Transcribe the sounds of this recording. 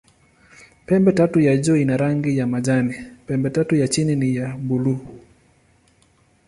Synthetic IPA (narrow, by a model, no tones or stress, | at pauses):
pɛmbɛtatujad͡ʒɔinaɾaŋɡijamad͡ʒanipɛmbɛtatujat͡ʃininijabulu